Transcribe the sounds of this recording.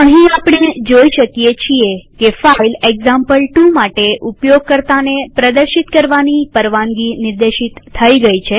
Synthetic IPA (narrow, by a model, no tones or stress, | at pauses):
əɦĩapɳ̃ed͡ʒoiʃəkijet͡ʃʰiekefaileɡzãmpəlʈumaʈeʔupjoɡ̚kəɾt̪anepɾəd̪əɾʃit̪kəɾʋanipəɾʋãŋɡinɪɾd̪eʃit̪ʰːəiɡəit͡ʃʰe